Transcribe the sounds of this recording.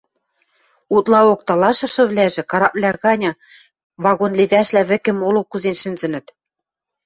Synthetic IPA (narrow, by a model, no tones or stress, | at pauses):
ut̪lɑok̚t̪ɑlɑʃɤ̆ʃɤ̆βlæʒɘ̆kɑɾɑp̚lʲæɣɑnʲɑ̆ | βɑɣonleβæʃlæβɘ̆kɘ̆molokːuzenʃɘ̆nzɘ̆nɘ̆t̪